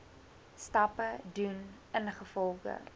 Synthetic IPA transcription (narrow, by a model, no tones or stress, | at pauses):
stɐpədun | ənχəfɔlˠχə̰